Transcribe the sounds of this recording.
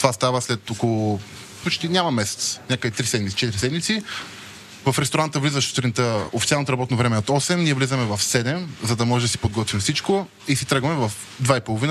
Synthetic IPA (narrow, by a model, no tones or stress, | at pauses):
t̪ovast̪avəslɛt̪okolˠo | pot͡ʃt̪inʲamɐmɛsɛ̥t̪sə̥nʲakəit̪ɾisɛd̪mit̪i̥t͡ʃɛt̪iɾisɛd̪mit̪si | vɐfɾɛst̪oɾant̪əvlizəʃt̪ɾint̪əo̰fit̪ialˠnot̪oɾɐbɔt̪novɾɛmɛot̪ɔsɛmniɛvlizəmɛvɐfsɛd̪ɛmzɐd̪ɐmɔʒɛd̪ɐsi̥pod̪ɡɔt̪vimfsit͡ʃko | isit̪ɾɤɡəmɛvɐf | d̪vaipolˠovinə